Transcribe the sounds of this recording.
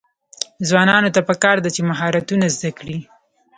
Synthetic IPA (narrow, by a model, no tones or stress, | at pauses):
zwɑnɑnot̪apəkɑɾd̪at͡ʃemaɦɑɾat̪unazd̪akɽi